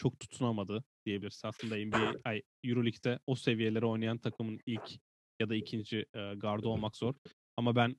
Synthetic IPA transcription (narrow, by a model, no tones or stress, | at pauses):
t͡ʃʰo̞k̚t̪ʰu̥t̪ʰːunamad̪ɯd̪̥ijebilʲiɾsnasˠɯnd̪aɛmbiejaj | juɾolʲict̪ʰɛose̞vije̞lʲeɾio̞jnajant̪ʰakʰɯmɯnilʲc | jad̪aicʰind͡ʒiːɡaɾd̪oo̞lˠmakz̥o̞ɾ | amabæn